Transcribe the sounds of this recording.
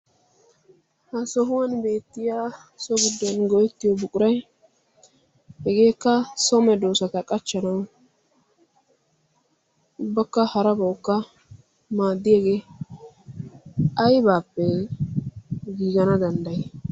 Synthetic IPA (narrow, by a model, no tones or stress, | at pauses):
hɐsɔɦʊwɐnbe̞ːt̪ːɪjaː | sɔɡɪd̪ːɔnɡɔjɛt̪ːɪjɔbʊkʼʊɾɐj | hɛɡe̞ːkːɐsɔmɛd̪o̞ːsɐt̪ɐkʼɐt͡ʃːɐnɐw | ʊbːɐkːɐhɐɾɐbɐwkːɐ | maːd̪ːɪjeːɡeː | ɐjbaːpːɛ | ɡiːɡɐnɐd̪ɐnd̪ɐje